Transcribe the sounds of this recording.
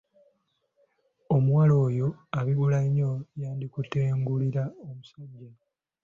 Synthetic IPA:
o̞muwalo̞ːjo̞aβiβulaɲojaːndikuteːŋɡuliɾaomusaɲɟa

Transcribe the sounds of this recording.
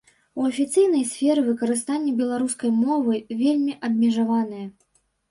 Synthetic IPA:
uɐfʲit̪sɨjnɐjsʲfʲɛɾɨvɨkɐɾɨst̪anʲːɛbʲɛlˠaɾuskɐjmɔvɨvʲelʲmʲiʔɐbmʲɛʐavanɨjɛ

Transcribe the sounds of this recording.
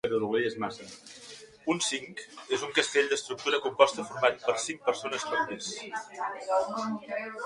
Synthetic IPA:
ət̪əɾuɣiəzmasə | unsiŋkezuŋkəst̪eʎʲd̪əst̪ɾuk̚t̪uɾəkumpɔst̪əfuɾmat̪pəɾsiŋk̚pəɾsonəskot̪es

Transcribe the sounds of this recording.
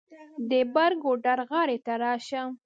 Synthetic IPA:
d̪əbaɾɡoɖaɾɣɑɾet̪aɾɑʃa

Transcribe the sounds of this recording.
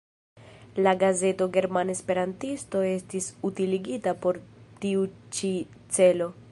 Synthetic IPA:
laɡaze̞to̞ɡe̞ɾmane̞spe̞ɾantisto̞e̞stisutiliɡitapo̞ɾtiut͡ʃi | t͡se̞lo̞

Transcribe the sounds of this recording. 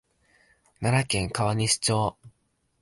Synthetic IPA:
naɾakẽ̞ŋkaβaɲ̟iɕi̥t͡ɕoː

